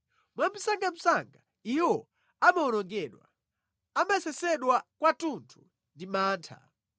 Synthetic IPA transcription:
mwam̩saŋɡam̩saŋɡa | iwɔ | amaɔnɔŋɡɛɗwa̰ | amaɛsɛsɛɗwakwatuntʰu̥ | ndimaːntʰa̰

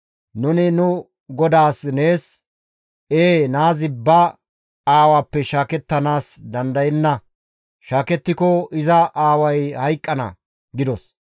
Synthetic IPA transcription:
nʊnɪnʊ | ɡɔd̪aːsne̞ːs | eːnaːzɪbɐ | aːwaːpːɛʃaːkɛt̪ːɐnaːsd̪ɐnd̪ɐjɛnːɐ | ʃaːkɛt̪ːɪkɔɪzɐʔaːwɐjhɐjkʼːɐnɐ̰ | ɡɪd̪ɔs

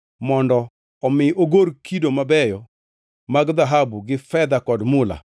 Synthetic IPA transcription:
mɔndɔ | ɔmɪʔoɡoɾkidomabɛjɔ | maɡd̪aɦabuɡɪfɛd̪akɔdmʊla̰

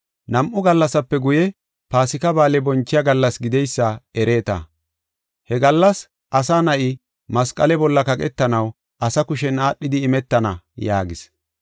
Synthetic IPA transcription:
nɐmʔʊɡɐlːɐsɐpːɛɡʊjɛ | paːsɪkɐbaːlɛbɔnt͡ʃːɪjaɡɐlːɐsɡɪd̪ɛjsːɐɛɾeːt̪ɐ̰ | hɛɡɐlːɐs | ʔɐsanɐʔɪ | mɐskʼɐlɛbɔlːɐkɐkʼɛt̪ːɐnɐw | ʔɐsɐkʊʃɛnaːɗːɪd̪ɪːmɛt̪ːɐnɐ | ja̰ːɡɪs

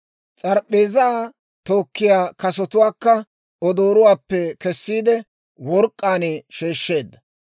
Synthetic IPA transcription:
t͡sʼɐɾɓeːzaː | t̪o̞ːkːɪjaːkɐsɔt̪ʊwaːkːɐ | ɔd̪oːɾʊwaːpːɛkɛsːiːd̪ɛ | wɔɾkʼːaːnɛʃe̞ːʃːe̞ːd̪ːɐ

